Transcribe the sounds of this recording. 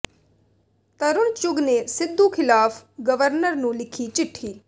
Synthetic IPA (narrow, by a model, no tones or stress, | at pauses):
t̪əɾʊɳt͡ʃʊɡneːsɪd̪ːuːkʰɪlaːpʰɡəʋəɾnəɾnũːlɪkʰiːt͡ʃɪʈʰːiː